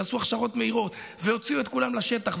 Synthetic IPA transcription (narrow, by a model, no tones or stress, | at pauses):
asuaχʃaʁo̞t̪me̞iʁo̞t̪ | veo̞t͡siuet̪kulamlaʃe̞t̪aχ